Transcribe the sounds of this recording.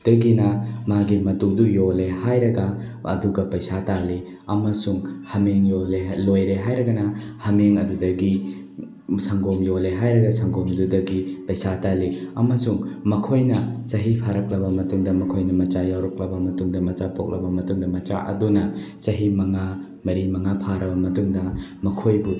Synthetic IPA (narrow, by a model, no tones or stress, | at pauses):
d̥ɐɡinɐmaɡimɐtudujolehajɾɐɡa | ɐ̰duɡɐpɐjsatali | ɐmɐsuŋhɐmeŋjolelojɾeɦajɾɐɡɐnɐhɐmeŋɐdudɐɡi | sɐŋɡomjoleɦajɾɐɡɐsʰɐŋɡomdudɐɡipɐjsataliɐmɐsuŋmɐkʰojnɐsɐɦipʰaɾɐk̚lɐbɐmɐtuŋdɐmɐkʰojnɐmɐt͡ʃajawɾɔk̚lɐbɐmɐtuŋdɐmɐt͡ʃapok̚lʔɐbɐmɐtuŋdɐmɐt͡ʃa̰ʔɐ̰dunɐ | t͡ʃɐɦimɐŋa | mɐɾimɐŋapʰaɾɐbɐmɐtuŋdɐmɐkʰojbu